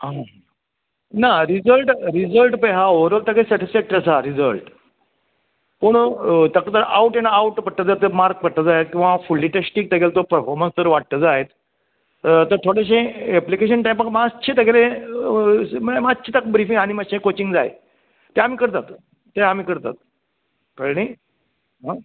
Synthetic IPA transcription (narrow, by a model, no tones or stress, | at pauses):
ɦa | naɾid͡zəlʈɾid͡zəlʈpəɦaoɾəlt̪akesɛʈisfɛk̚ʈɾesaɾid͡zəlʈ | pəɳt̪akət̪əɾa̰uʈenaauʈpəʈ̚t̪ːəd͡zat̪ːəmaɾk̚pəʈt̪əd͡zaɦet̪̚kĩʋafulːiʈesʈiːk̚t̪eɡelt̪opəɾfɔɾmənst̪əɾʋaʈ̚t̪əd͡zaɦet̪ | t̪əɾt̪ʰoɽeɕ̬ẽɛplikeɕ̬ənʈajmpakmaːɕʰit̪əkeɾẽ | mmat͡ɕʰit̪akbɾifiŋɡaɽ̃iməɕẽkot͡ɕiŋɡd͡zajḛ | t̪eam̤iːkəɾt̪at̪ː | eam̤iːkəɾt̪a̰t̪̚ | kəɳij | ɦa